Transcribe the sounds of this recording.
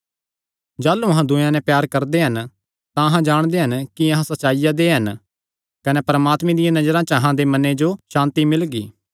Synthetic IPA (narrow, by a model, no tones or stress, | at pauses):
d͡ʒaːlːuɐɦãd̪ʊ̃jãnɛ̃pjaːɾkɐɾd̪eɦɐn | t̪ãɐɦãd͡ʒaːɽ̃d̪eɦɐnkiɐɦãsɐtːt͡ʃaːijad̪eɦɐn | kɐnɛpɾəmaːt̪mẽd̪ɪjãnɐd͡ʒəɾãt͡ʃəɐɦãd̪emɐned͡ʒoʃãːnt̪imɪlɡḭː